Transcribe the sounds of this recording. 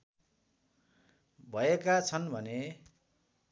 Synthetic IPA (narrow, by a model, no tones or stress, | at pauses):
bʱʌekat͡sʰʌnbʱʌne